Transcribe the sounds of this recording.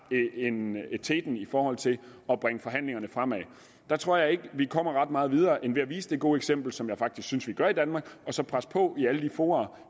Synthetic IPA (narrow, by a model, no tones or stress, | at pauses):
ent͡sʰed̥n̩ifɒːhɒ̽l̰t͡sʰe̝lɒ̽b̥ʁaŋəfɒ̽ɦæn̰le̝ŋɐnəfʁɑm̰ɛ | d̥ɑ̈t͡sʰʁo̝ɐ̰jɑ̈ɪe̝ɡ̥əʋikʰɒ̽m̰ɐʁɑ̈d̥mɑ̈ːð̩ˠið̞ˠɐːʔenʋe̝æʋḭːsəd̥e̝ɡ̥o̝ːeɡ̥sem̰b̥l̩sɒ̽mjɑ̈ɪfɑ̈ɡ̥d̥isɡ̥synsʋiɡ̥ɶɐ̰id̥ænmɑ̈ːɡ̥ɒ̽sɒ̽pʰʁaspʰɒ̽iæləd̥ifo̝ːɑ̈ː